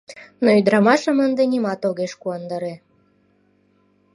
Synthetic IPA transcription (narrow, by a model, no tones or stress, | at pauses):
noyd̪ɾɑmɑʃəmənd̪enimɑt̪oɣeʃkuɑnd̪ɑɾe